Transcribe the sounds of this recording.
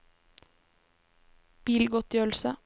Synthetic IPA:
b̥iːlɡɔt̪jœlsə

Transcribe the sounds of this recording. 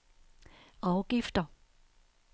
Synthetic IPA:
ɑʊɡ̥ifd̥ɐ

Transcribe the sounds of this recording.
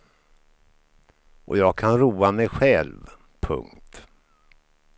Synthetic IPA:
ʔɔ̰jɑːɡ̚kʰanɾuːamɛjɧɛlv | pʰɵ̰ŋkt̪

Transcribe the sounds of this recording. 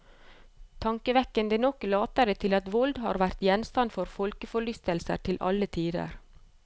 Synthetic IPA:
t̪ʰɑŋkəʋɛkːənd̪ənɔklɑːt̪əɾət̪ʰɪlɑt̪ʋɔld̪hɑ̰ːɾʋæɾt̪jɛnst̪ɑnfɔɾfɔlkəfɔɭʏst̪əlsə̰ɾʈ̪ʰɪlʔɑ̰lət̪ʰiːd̪ə̰ɾ

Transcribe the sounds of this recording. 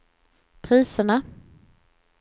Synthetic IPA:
pʰɾiːsəɳa

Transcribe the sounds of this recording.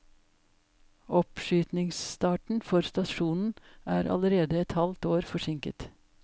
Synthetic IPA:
ʔɔpʃyːt̪nɪŋsst̪ɑːʈɳ̩fɔɾst̪ɑʃuːnn̩ʔæːɾʔɑ̰ləɾeːd̪əɛt̪hɑlt̪oːɾfɔʂɪŋkət̪

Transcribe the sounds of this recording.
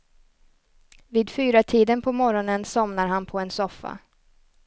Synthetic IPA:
viːd̪fyːɾat̪ʰiːd̪ənpʰɔmɔɾɔnənsɔmnaɾɦanpʰɔɛnsɔfːa̰

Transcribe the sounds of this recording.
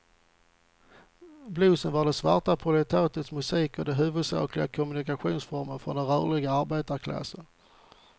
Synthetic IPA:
bluːsənvaɖɛsvaʈapʰɾʊlɛt̪ʰaːt̪ət̪smɵsiːkɔd̪ɛɦʉ̟ːvɵd̪sɑ̰ːklɪɡakʰʊmɵnɪkaɧuːnsfɔɾmənfɾɔnd̪ɛnɾœːɭɪɡaaɾbeːt̪aɾkʰla̰sən

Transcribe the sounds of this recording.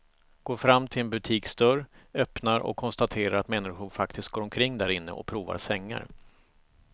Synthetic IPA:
ɡ̥oːɾfɾamːt̪ʰɪlɛnbɵt̪ʰiːkst̪œɾœpnaɾɔ̰kʰːɔnst̪at̪ʰeːɾaɾat̪mɛnːɪɧʊɳfak̚t̪ɪst̪̚ɡoːɾɔmkʰɾɪŋːd̪æɾɪnːə̰ʔɔ̰kpʰɾuːva̰ɾsɛŋːa̰ɾ

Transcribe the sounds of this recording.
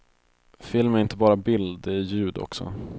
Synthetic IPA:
fɪlmæɾɪnt̪əbɑːɾabɪld̪ɪjʉ̟ːd̪ɔ̰ksɔ̰

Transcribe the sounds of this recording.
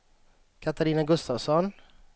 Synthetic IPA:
kʰat̪aɾiːnaɡɵst̪avsɔn

